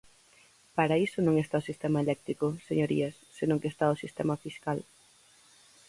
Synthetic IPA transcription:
paɾaisʊnõŋest̪aʊsist̪emaelɛk̚t̪ɾikʊseɲoɾḭɐsːenõŋkest̪aʊsist̪ɛ̰mɐfiskal

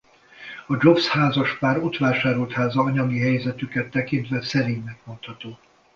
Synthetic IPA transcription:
ɒd͡ʒo̞fshaːzɒʃpaːɾot̪ʋaːʃaːɾolt̪haːzɒːɲɒɡiɦɛjzɛt̪ykɛt̪ːɛkint̪ʋɛsɛɾiːɲnɛkmo̞nt̪hɒt̪oː

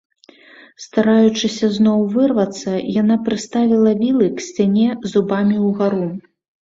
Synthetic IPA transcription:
st̪aɾajut͡ʂɨsʲɐznɔwvɨrvɐt̪sːɐjanapɾɨst̪avʲilˠɐvʲilˠɨksʲt͡sʲanʲɛzubamʲiwɣaɾu

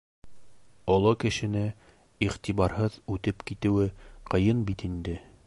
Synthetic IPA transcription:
ɒlˠɑkɘ̆ʃɘ̆nɘ | iʁt̪iβɑɾhɤðʉt̪ɘpkit̪ɘ̆wɘqɤ̆jɤnbit̪ind̪ɘ

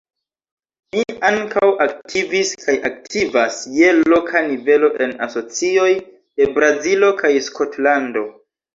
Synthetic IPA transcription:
niaŋkawak̚tʰiviskʰajʔak̚tʰivasje̞lo̞kʰanive̞lo̞ʔe̞na̰so̞t͡sio̞j | d̥e̞bɾazilo̞kʰajskʰo̞tlando̞

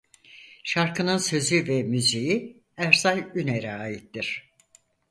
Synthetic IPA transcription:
ʃaɾkɯnɯnsø̞zyvɛmyziji | æɾsalyneɾɛaːjit̪ːiɾ̝̥

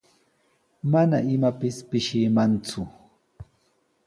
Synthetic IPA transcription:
mana̰ɪmapɪspɪʃɪmant͡sʊ

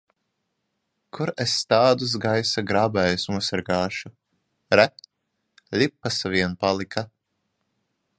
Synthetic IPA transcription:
kʰuɾest̪aːd̪us̬ɡajsaɡɾaːbɛːjusmuɔsaɾɡaːʃu | ɾɛ | lʲipːasaviɛnpalˠikʰa

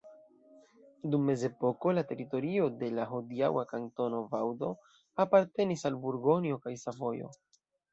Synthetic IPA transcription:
dumːe̞ze̞po̞ko̞late̞ɾito̞ɾio̞de̞laɦodia̰wakanto̞no̞vawdo̞ | apaɾte̞nisalbuɾɡo̞njo̞kajsavo̞jo̞̰

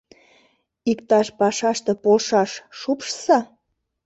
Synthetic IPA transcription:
ikt̪ɑʃpɑʃɑʃt̪ĕpoʃɑʃːupʃsɑ

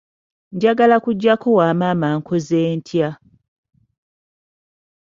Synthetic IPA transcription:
ɲɟaɡalakuɟːakʰo̞waːmaːmaːŋkʰozeːntʰja

